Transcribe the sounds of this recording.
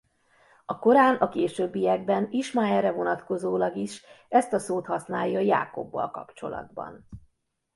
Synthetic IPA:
ɒko̞ɾaːnɒkeːʃøbːijɛɡ̚bɛniʃmaːɛrːɛvo̞nɒt̪ko̞zoːlɒɡiʃɛst̪ɒsoːt̪hɒsnaːjːɒja̰ːko̞̰bːɒ̰lkɒ̰pt͡ʃo̞̰lɒ̰d̪bɒ̰n

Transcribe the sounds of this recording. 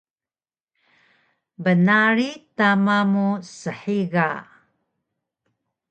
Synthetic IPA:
bənaɾitamamusəħiɡa

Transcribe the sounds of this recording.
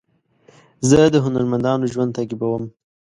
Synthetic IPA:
zəd̪əɦʊnaɾmand̪ɑnoʒwand̪t̪aɡibawəm

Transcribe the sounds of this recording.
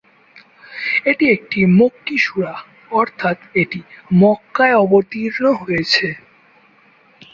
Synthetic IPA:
eʈiek̚ʈimokːiʃuɾa | ɔɾt̪ʰat̪eʈimɔkːaeɔbot̪iɾnoɦojet͡ɕʰe

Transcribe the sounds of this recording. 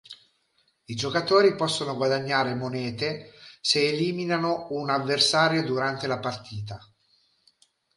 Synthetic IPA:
id͡ʒokat̪oːɾipɔsːonoɡwad̪aɲːaːɾemonɛːt̪eseːliːminanounavːersaːɾjod̪uɾant̪elapart̪ʰiːt̪a

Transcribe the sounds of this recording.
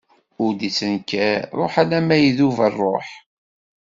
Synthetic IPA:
ʊɾd̪it͡sːənkæɾˤo̰ħalæmæjiðuvərˤːoħ

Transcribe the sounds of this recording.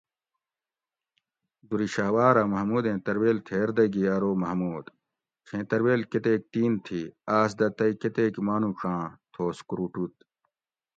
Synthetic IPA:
d̪uɾiɕaːwaːɾamɐɦmuːd̪ẽːt̪ɐɾweːlt̪ʰeːɾd̪ɐɡiɐɾoːmɐɦmuːd̪̥ | kʰẽːt̪ɐɾweːlket̪eːk̚t̪iːnt̪ʰiaːsd̪ɐt̪ɐiket̪eːkmaːnũʂãːt̪ʰoːskuɾuʈut̪̚

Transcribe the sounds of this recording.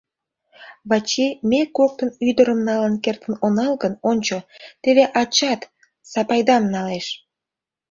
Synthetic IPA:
βɑt͡ɕimekok̚t̪ənyd̪əɾəmnɑlənkert̪ənonɑlɡənonʲt͡ɕot̪eβeʔɑt͡ɕɑt̪ | sɑpɑjd̪ɑmnɑleʃ

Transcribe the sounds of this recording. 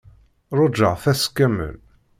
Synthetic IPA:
ɾˤod͡ʒə̰ʁθæskːæmə̰l

